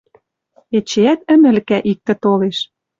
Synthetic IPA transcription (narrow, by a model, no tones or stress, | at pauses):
et͡ɕeæt̪ə̆nɘ̆lkæʔik̚t̪ɘ̆t̪oleʃ